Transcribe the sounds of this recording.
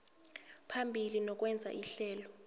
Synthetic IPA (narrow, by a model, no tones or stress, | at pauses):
pʰambʱilinɔk̬ʼwɛnd͡zʱa̰ʔiɬɛːlɔ